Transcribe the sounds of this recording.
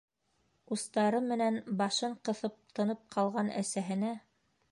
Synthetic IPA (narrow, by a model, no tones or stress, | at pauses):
ust̪ɑɾɤmːɘ̆nænbɑʃɤɴqɤ̆θɤp̚t̪ʰɤ̆nɤp̚qʰɑlˠʁɑnæ̰sæɦɘ̆næ